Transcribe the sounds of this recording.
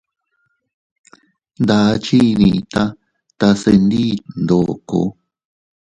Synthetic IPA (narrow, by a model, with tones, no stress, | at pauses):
nd̪a˨˧˦t͡ʃi˦˧nĩ˧t̪a˦ | t̪a˧se˧nd̪i˦nd̪o˨ko̰˨